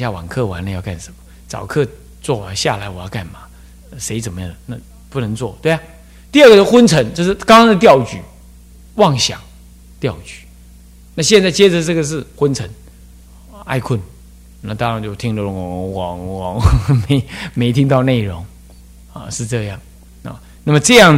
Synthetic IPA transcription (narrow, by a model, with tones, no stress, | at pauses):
ɕja˥˩wa˨˩ŋkʰɤ˥˩wa˧˥˦nlə˧jɑ˥˧ʊka˥˩nʂə˨˦nmə˦ | t͡sɑ̰˨˩ʊkʰɤ˥˧ | t͡swɔ˥˩a˨˧˦ɕja̰˥˩la˨˧˥ɪwɔ˨˩jɑ˥˧ʊka̰˥˩nma˩˦˩ | ʂe˧˥ɪt͡sə˨˩nmə˦jɑ˥˩na˥˧ | pu˥˩nə˧˥ŋt͡swɔ˥˩t̪we˥˩ɪa˨˩ | t̪i˥˧ə˥˩ɡə˨o˥˩xwə˥nt͡sʰə˧˥ŋt͡ɕo˥˧ʊʂ̬ɻ̩˥˩kɑ˥ŋkɑ˥ŋd̪ə˧t̪jɑ˥˩ʊt͡ɕy̰˨˩˦ | wɑ˥˩ŋɕjɑ̰˨˩ŋ | t̪jɑ˥˩ʊt͡ɕy̥˨˩˦ | na˥˧ɕjɛ˥˧nt͡sa˥˩ɪt͡ɕjɛ˥d͡zə˨ʈ͡ʂɤ˥˩ɡə˩ʂ̬ɻ̩˥˩xwə˥nt͡sʰə˧˥˦n˩˨ | a̰˥˧ɪkʰə˥˩n | na˥˩t̪ɑ˥ŋɻɑ˧˥ŋt͡ɕjo˥˩ʊt̪ʰi˥ŋlə˧˩lwɑ˨˥ŋwɑ˧˥ŋme˧˥ɪme˧˥ɪt̪ʰi˥ŋt̪ɑ˥˧ʊne˥˩ɪɻʊ˧˥ŋ | a̰˨ʂɻ̩˥˧ʈ͡ʂɤ˥˧jɑ˥˩ŋ | na˥˩ | na˥˩mə˩ʈ͡ʂɤ˥˧jɑ˥˩ŋ